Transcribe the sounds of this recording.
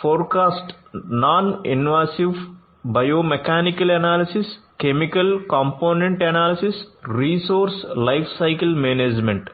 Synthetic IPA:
foːɾkaːsʈ | naːnḭnʋaːsiʋ | bɐjoːmekaːnikɐlɐnaːlisis | kemikɐlkɐmpoːnẽɳʈɐnaːlisisɾiːsoːɾslɐjpʰsɐjkɐlmeːneːd͡ʒmẽɳʈ

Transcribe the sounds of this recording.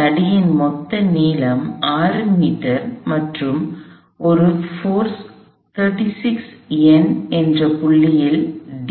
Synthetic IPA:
ɐɽɪjɪnmɔt̪ːɐniːlɐmaːɾɯmiːʈɐɾmɐʈrɯm | ɔɾɯfoːɾs | t̪ʰɐɾʈisɪksɛnɛndrɐpʊɭːɪjɪlɖ

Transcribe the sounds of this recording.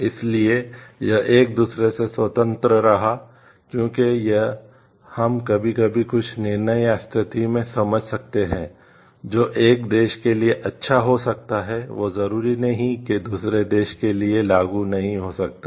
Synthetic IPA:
ɪsliejɐʔeːk̚d̪uːsɾesesʋɐt̪ə̃nt̪ɾəɾɐɦa | kjõːkejɐɦ | hɐmkɐbʱikɐbʱikʊt͡ʃʰnɪɾnəjast̪ʰɪt̪imẽsɐməd͡ʒʱsɐk̚t̪eɦɛ̃ː | d͡ʒoːʔeːk̚d̪eːʃkelieʔɐtːʃʰaɦosɐk̚t̪aɦɛʋoːzɐɾuːɾinɐɦĩked̪uːsɾed̪eːʃkelielaːɡunɐɦĩɦosɐk̚t̪a

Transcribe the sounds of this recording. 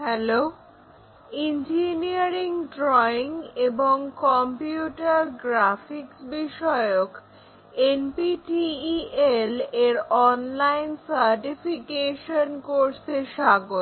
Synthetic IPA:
ɦɛlo | ind͡ʑiniaɾiŋɖɾɔiŋeboŋkɔmpjiuʈaɾɡɾafiksbiʃɔeok | enpiʈieleɾɔnlajnsaɾʈifʰikeʃonkoɾseʃaɡo

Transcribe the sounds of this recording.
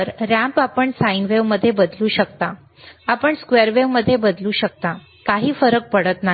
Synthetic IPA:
ɾɾæ̃mpapəɳsainʋeʋməd̪ʱːjebəd̪luːɕəkt̪a | apəɳskʋeɾʋeʋməd̪ʱːjebəd̪luːɕək̚t̪a | kaɦiːfəɾək̚pəɽət̪na

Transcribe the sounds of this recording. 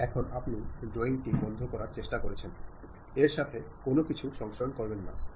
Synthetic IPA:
ɛkʰonapniɖɾoiŋʈibɔnd̪ʱokɔɾaɾt͡ɕeʃʈakoɾet͡ɕʰen | eɾʃat̪ʰekonokit͡ɕʰuʃɔŋʃonkɔɾbenːa̰

